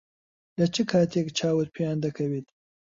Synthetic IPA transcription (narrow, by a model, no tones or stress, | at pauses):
lɐt͡ʃɨkʰaːt̪ʰekt͡ʃʰaːwɨt̪pʰejaːnd̪ɐkʰɐweːt̪